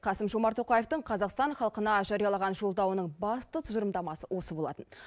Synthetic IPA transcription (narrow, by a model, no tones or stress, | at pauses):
qʰɑsəmʒo̞mɑɾt̪ʰo̞qɑjeft̪əɴqʰɑzɑqst̪ɑɴχɑlˠqənɑʒɑɾijɑlˠɑʁɑnʒo̞lˠd̪ɑwənəɴbɑst̪ət̪ʰʊʒəɾəmd̪ɑmɑsəwo̞səbolˠɑ̰t̪ən